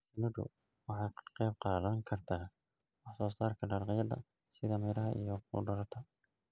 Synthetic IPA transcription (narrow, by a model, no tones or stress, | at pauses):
sɪnʊdʊ̰ | wɑħɑjqɛːb̚qɑːðɐŋkʰɐrt̪ʰaː | wɑħsɔːst̪aːrkʰɐɖɐɾqɑjɐðɐ̰ | sɪðɐmɛɾɐɦɐʔḭjɔkʰʊ̰ɖɐɾɐt̪ʰɐ